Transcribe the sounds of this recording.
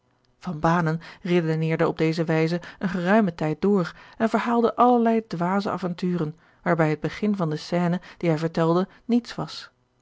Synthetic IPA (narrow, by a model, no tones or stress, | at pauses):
v̥ɑnbaːnənredonɪːɹdəɔb̚dejzəʋɛjzəənχərœɥmətɛjt̚d̥ʊːɹɛnvəɹɦaːlˠdəʔɑləɹlɛjdʋaːzəʔa̰ːvɑntyːrən | ʋaːɹbɛjɦəd̚bəχɪnvɑndəsɛːnəd̥iɦɛjvəɹtɛlˠdə | nitsʋɑs